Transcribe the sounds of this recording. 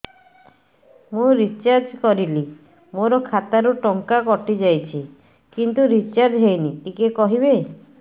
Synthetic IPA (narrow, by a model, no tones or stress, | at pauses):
mũɾit͡ʃaɾd͡ʒkɔɾili | moɾɔkʰat̪aɾuʈɔŋkakɔʈid͡ʒajt͡ʃʰi | kint̪uɾit͡ʃaɾd͡ʒɦejniʈikekɔɦiβe